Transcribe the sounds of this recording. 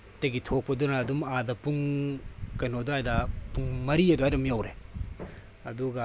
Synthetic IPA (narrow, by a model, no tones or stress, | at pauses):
tɐɡitʰok̚pɐdunɐːdumadɐpuŋ | kɐnodajdɐpuŋmɐɾiɐduajɾɐmjawɾe | ɐduɡɐ